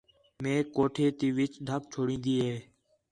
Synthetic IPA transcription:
mẽːkoːʈʰeːt̪iːʋɪt͡ʃɖ̪ʱək̚t͡ʃʰoːɽĩːnd̪iːɦeː

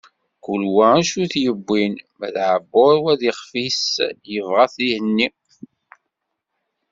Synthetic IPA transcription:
kulwææʃuθjəbːinmæðʕəbːʊɾwæðiχfisjəvʁaθihənːi

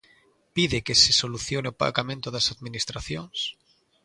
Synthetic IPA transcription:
piðekesesoluθjoneopa̰ɾɣamẽnt̪oðasaðminist̪ɾaθjoŋs

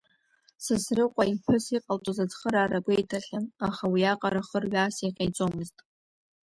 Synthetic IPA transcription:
sɨsrɨqʷʼaipʰɨsiqʼaltʼozad͡zχəɾaːɾaɡʷʊejtʰaɬʲanaχawiaqʼaɾaχərɥaːseqʲajt͡sʷʼomɨztʼ

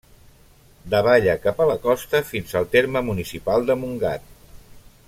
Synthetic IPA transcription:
d̪əβ̞aʎəkapələkɔst̪əfinzəlˠt̪eɾməmunisipalˠd̪əmuŋɡa̰t̪̚

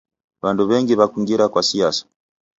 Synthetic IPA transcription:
βanduβɛŋɡiβakiŋɡiɾakwasiasḁ

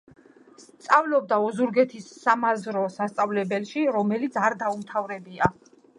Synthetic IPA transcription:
stt̪sʼavlɔb̚d̪aɔzuɾɡɛt̪ʰisːamazɾɔsast̪sʼavlɛbɛlʃiɾɔmɛlit̪sʰaɾd̪aumt̪ʰavɾɛbia

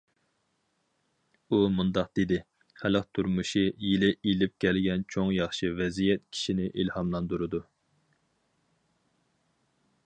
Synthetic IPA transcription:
umund̪ɑq̚d̪̥ed̪ɪ | χælɨqt̪ʰuɾmuʃijilɪilɪp̚kʲʰɛlɡʲɛnt͡ʃʰoŋjɑχʃivɛzijɛt̪̚kʲʰi̥ʃinɪʔilhɑmlˠɑnd̪uɾɨd̪u

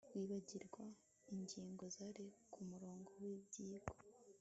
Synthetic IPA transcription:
wiːβaɟiɾɡwa | iɲɟiːŋɡo̞zaɾe̞kʰumuɾo̞ːŋɡo̞wiːbɟiːɡo

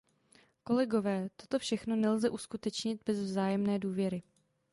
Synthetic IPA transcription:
ko̞lɛɡo̞vɛːt̪o̞t̪o̞fʃɛxno̞nɛlzɛʔuskut̪ɛt͡ʃɲɪd̪̚bɛzvzaːjɛmnɛːduːvjɛɾɪ

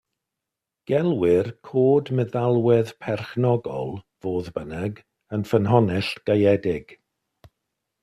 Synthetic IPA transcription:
ɡ̥ɛlˠwɪrkʰoːdməðalˠwɛðpʰɛrχnɔɡɔ̰lˠ | v̥oːðbənɛɡ | ənfənɦɔnɛɬtɡ̥ajɛdɪɡ̥

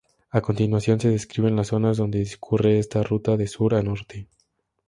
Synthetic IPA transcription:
ako̞nt̪inwasjo̞nse̞ðeskɾiβe̞nlasːo̞nazðo̞nd̪eðiskʰure̞est̪arut̪aðe̞suɾano̞ɾt̪e

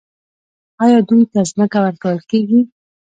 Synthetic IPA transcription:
ɑjɑd̪ujt̪azməkawəɾkawəlkeɡi

